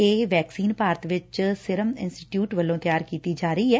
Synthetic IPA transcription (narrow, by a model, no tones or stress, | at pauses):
eːʋɛːksiːnpaːɾət̪ʋɪt͡ʃsɪɾəmɪnsʈɪʈjuːʈʋəlːõːt̪ɪjaːɾkiːt̪iːd͡ʒaːɾəiːɛː